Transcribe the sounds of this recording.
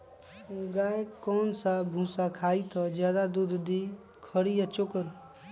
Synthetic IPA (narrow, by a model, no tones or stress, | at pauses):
ɡaːjkɔːnsabʱũːsakʰaːit̪ʰɔd͡ʒjaːd̪ad̪ud̪ʱd̪i | kʰəɽijat͡ʃokəɾ